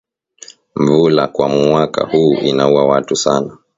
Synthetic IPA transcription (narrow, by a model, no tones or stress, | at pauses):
mvulakwamwaka̰huːʔinauwawatusana